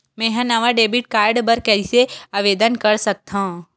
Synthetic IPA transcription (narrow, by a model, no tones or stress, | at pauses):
mɛ̃ːɦãnɐʋaɖeːbɪʈ̚kaːɾɖbɐɾkɛːiseaːʋeːd̪ənkɐɾsɐk̚t̪ʰãũ